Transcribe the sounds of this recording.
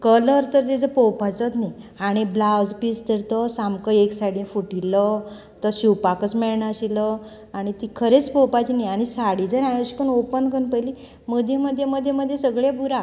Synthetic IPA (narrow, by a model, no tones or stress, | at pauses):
kələɾt̪əɾd͡zed͡zəpowpat͡sɔt̪ni | aɽ̃iblawd͡zpist̪əɾt̪ɔsamkəeksajɽĩnfuʈilə | t̪əɕiwpakət͡smɛɭɳaəɕilə | aɽ̃it̪ikʰəɾet͡spɔwpat͡ɕinajaɽ̃isaɽid͡zəɾãjoɕkənopənkənpəli | məd̪ʱjeməd̪ʱːjeməd̪ʱːjeməd̪ʱːjesəɡɭjabuɾa